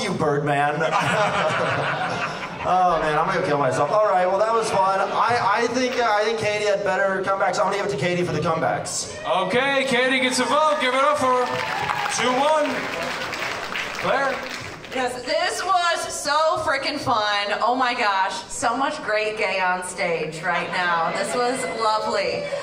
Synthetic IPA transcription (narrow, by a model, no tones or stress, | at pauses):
jɨbɜ˞d̚mæ̃n | ʔoʊmæ̃ñãɪmɡʌ̃kʰɪlˠmaɪsɛlˠfɔlˠɹaɪt̚wɛlˠðət̚wʌz̥fʌ̃naɪʔaɪθɪ̃ŋkaɪθɪ̃ŋkʰːeɪɾiɨd̚bɛɾə˞kʰʌ̃mbæksãɪwʌ̃nɨɡɪbɨtʰɨkʰeɪɾifə˞ðɨkʰʌ̃mbæ̰ks | oʊkʰeɪkʰeɪɾiɡɛtsɨvoɡ̥ɪvɨɾʌpfə˞tʰʉwʌ̃n | kʰlɛɹ | jæðɪswʌz̥soʊfɹɪkɨ̃nfʌ̃noʊmaɪɡɑʃ | soʊmʌt͡ʃɡ̥ɹeɪt̚ɡ̥eɪə̃nsteɪ̥d͡ʒɹaɪtⁿnaʊðɪswʌzlʌvli